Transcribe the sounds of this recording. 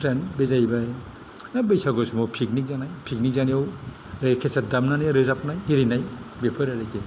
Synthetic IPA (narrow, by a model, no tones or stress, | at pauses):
pʰɾenbezajba | nabejsaɡɔsmɔwpʰik̚nik̚zanajpʰik̚nik̚zanijaw | ɾekʰesʰat̚damnaneɾɯzap̚najiɾinajbepʰɯɾaɾeke